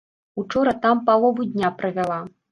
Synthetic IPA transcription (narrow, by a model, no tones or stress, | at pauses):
ut͡ʂɔɾɐt̪ampalˠɔvud̪ʲnʲapɾɨvʲalˠa